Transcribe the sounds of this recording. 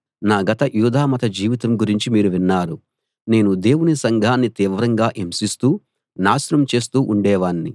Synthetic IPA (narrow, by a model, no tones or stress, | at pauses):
naːɡɐt̪ɐjuːd̪ʱaːmɐt̪ɐd͡ʒiːʋit̪ɐmɡuɾiɲt͡ʃimiːɾuʋinːaːɾu | ne̞ːnud̪e̞ːwunisɐŋɡʱaːnːit̪iːʋɐɾɐŋɡaːʔemsist̪uː | naːsɾɐmt͡ʃe̞ːst̪uːʔuɳɖɛːʋaːnːi